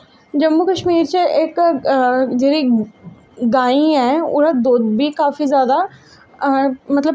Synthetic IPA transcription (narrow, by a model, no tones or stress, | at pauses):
d͡ʒɐmːukəʃmiːɾt͡ʃeʔɪk | d͡ʒeːɾi | ɡaːiɛːʊ̰ɾad̪oːd̪bʱikaːfizjaːd̪a | mɐt̪ləb